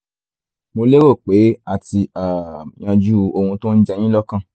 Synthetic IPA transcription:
mo˧le˦wo˦˨k͡pe˨˦a˦˨ti˧a˨j̃ã˧d͡ʒu˦o˧hũ˧tõ˦n̩˦d͡ʒɛ˧j̃ĩ˦lɔ˦kã˦˨

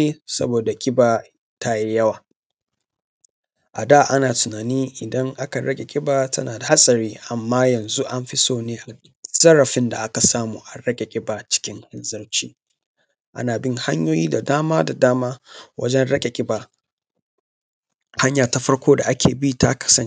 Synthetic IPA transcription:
e˦sɐ̰˦boː˨da˨kʲʼɪ˦baː˨ | ta˦ji˦jɐ˦waː˨ | ʔa˨da˦˨ʔa˦naː˨tʊ˨naː˨niː˦ʔɪ˨dɐ˦ŋʔa˦ka˨ɽɐ˦kʲʼe˨kʲʼɪ˦baː˨tɐ̰˦naː˨da˨ha˦sʼɐ˨ɾiː˦ʔa˨mːaː˦jɐ˨nzu˦ʔa˦mɸɪ˦soː˦neː˦ʔa˨ | z̥ɐ˦ɾɐ˨ɸɪ˦nda˨ʔa˦ka˨saː˦muː˨ʔa˨ɾɐ˦kʲʼe˨kʲʼɪ˦ba˨t͡ʃɪ̥˦kʲɪ˦ŋhɪ˦nzɐ˦ɽt͡ʃḭː˦ | ʔa̰˦naː˨bɪ˦ŋha˦ɲjoː˦jiː˦da˨daː˦maː˦da˨daː˦maː˦wʔɐ̰˦d͡ʒɛ˦nɽɐ˦kʲʼe˨kʲʼɪ˦baː˨ | ha˦ɲjaː˨ta˦ɸɐ˦ɽkʷoː˦da˨ʔa˦kʰʲeː˨bi˦tʰa̰˦kɐ̥˨sɐ˦ŋ

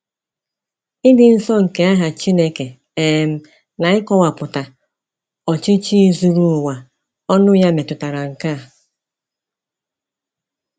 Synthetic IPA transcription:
ɪ˦dɪ˨n̩˦sɔ˦ŋ̩˨ke˦a˦ɦa˨t͡ʃi˦ne˦ke˨ | eː˨m̩˦ | na˨ɪ˦kɔ˦wa˨pʊ˨ta˨ | ɔ˨t͡ʃɪ˦t͡ʃi˦zu˨ɾu˦˨wa˨ | ɔ˦nʊ˦ja˦me˨tʊ˨ta˨ɾa˨ŋ̩˨ka˦˨

